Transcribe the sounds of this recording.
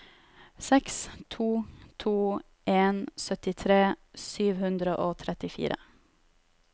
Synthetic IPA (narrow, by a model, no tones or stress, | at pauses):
sɛkst̪ʰuːt̪ʰuː | ʔeːnsœt̪ɪt̪ʰɾeːsyːʋhʉnd̪ɾəʔoːt̪ʰɾɛt̪ɪfḭːɾə̰